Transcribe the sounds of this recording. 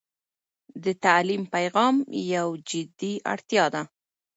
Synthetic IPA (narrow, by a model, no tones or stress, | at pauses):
d̪ət̪alimpajɣɑmjawd͡ʒɪd̪iʔa̰ɽt̪jɑd̪a